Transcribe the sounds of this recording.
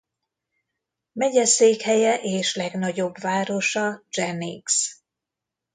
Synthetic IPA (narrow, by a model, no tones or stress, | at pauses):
mɛɟɛseːkhɛjɛʔeːʃlɛɡnɒɟo̞bvaːɾo̞ʃɒd͡ʒɛniɡs